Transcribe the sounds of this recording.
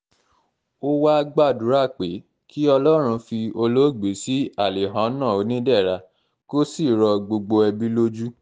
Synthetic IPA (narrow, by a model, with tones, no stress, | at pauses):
o˦wa˦˧ɡ͡ba˦˨du˨˦ɾa˦˨k͡pe˨˦ | kʰi˦ɔ˧lɔ˦ɾ̃ũ˧fi˧o˧lo˦˨ɡ͡be˨˦si˦a˦˨le˨ɦã˨˦nã˦˨o˨˧˦nĩ˦dɛ˦˨ɾa˧ | ko˦si˦˨ɾɔ˧ɡ͡bo˧ɡ͡bo˧ɛ˧bi˦lo˦d͡ʒu˦